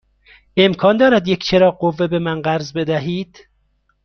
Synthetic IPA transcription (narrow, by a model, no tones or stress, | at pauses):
emkʰɒːnd̪ɒːɾæd̪jekʰʲt͡ʃʰeɾɒːɢovːebemænɢæɾzbe̞d̪æɦiːd̪̥